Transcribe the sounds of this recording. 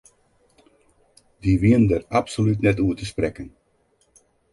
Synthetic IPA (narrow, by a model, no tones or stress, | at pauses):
diʋiəndərapsolytnɛtuətəsprɛkən